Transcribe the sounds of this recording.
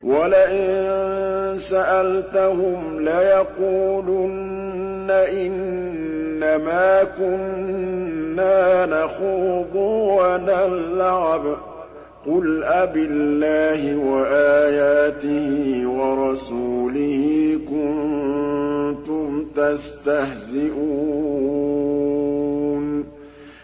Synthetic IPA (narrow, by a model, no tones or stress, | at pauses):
wʔalaʔɪn | saʔalt̪ahʊmlajɑquːlʊnː | aʔɪnː | amaːkʊnː | aːnaxuːd̪ˤʊwanalːʕab | qʊlʔabɪlːaːhɪwaʔaːjaːt̪ɪhiːwɑɾˤɑsuːlɪhiːkʊn | t̪ʊmt̪ast̪ahzɪʔuː | n